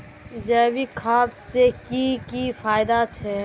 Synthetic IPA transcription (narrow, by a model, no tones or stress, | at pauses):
d͡ʒɛːbikʰaːt̪sekikifʰaːɪd̪at͡ʃʰɛ